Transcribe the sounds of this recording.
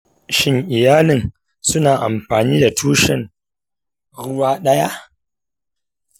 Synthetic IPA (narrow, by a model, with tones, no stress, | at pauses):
ʃɪ˦ŋʔɪ˨jaː˦lɪ˨n | sʊ˦naː˨ʔa̰˨mɸaː˨niː˦da˨tʰuː˦ʃɛ˨ŋ | ɽʊ˦waː˦ɗɐ˦ja˦ʔ